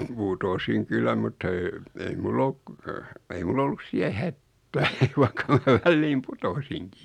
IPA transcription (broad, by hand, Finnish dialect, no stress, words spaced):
putosiŋ kylːæ mutːɑ eː ei mulː oluk ei mul olːus siæ hætːæː ʋɑikːɑ mæ ʋælːiːm putosiŋkiː